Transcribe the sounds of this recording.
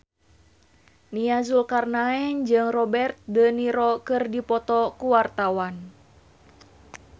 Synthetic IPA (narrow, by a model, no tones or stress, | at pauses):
niazulkarnaɛnd͡ʒɨŋrɔbɛrt̪̚dəniɾɔkɨrdipɔt̪ɔkuwart̪awan